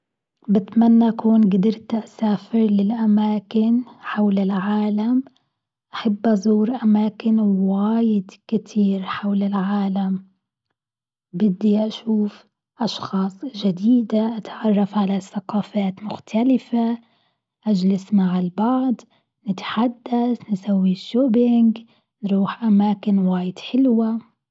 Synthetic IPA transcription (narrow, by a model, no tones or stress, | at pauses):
bɪt̪manːaʔkuːnɡad̪ɪɾt̪ʔasaːfɪɾlɪlʔamaːkɪnħawlɪlʕaːlam | ʔaħabːʔɑzˤuːɾʔamaːkɪnwaːjɪd̪kɪt̪ʰiːɾħawlɪlʕaːlam | bɪd̪ːiʔaʃuːf | ʔɑʃxɑːsˤʒad̪iːd̪aʔat̪ʕɑrˤːɑfʕalaθaqɑːfaːt̪mʊxt̪ʰalɪfa | ʔad͡ʒlɪsmaʕɪlbɑʕd̪ˤ | nɪt̪ħad̪ːasnsawːiʃːoːbɪŋɡ | nɾuːħʔamaːkɪnwaːjɪd̪̥ħɪlwa